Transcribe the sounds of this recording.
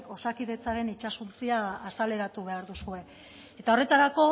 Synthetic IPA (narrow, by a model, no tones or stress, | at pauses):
o̞sakiðe̞t͡saɾe̞nit͡ʃasunt͡siaːsale̞ɾat̪uβ̞e̞aɾðusue̞ | et̪ao̞re̞t̪aɾako̞